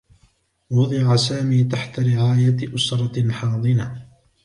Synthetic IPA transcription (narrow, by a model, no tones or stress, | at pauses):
wʊd̪ˤɨʕasaːmiːt̪aħt̪aɾɪʕaːjaʔʊsɾˤɑħɑːd̪ˤɨna